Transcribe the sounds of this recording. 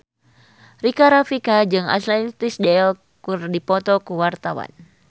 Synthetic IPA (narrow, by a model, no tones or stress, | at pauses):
rikaɾafikad͡ʒɨŋa̰t̪lɛt̪isdɛl | kurdipɔt̪ɔkuwart̪awa̰n